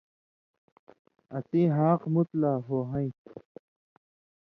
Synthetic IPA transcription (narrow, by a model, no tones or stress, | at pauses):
ɐt̪ĩɦaːqmut̪laːɦoɦɐ̃ĩ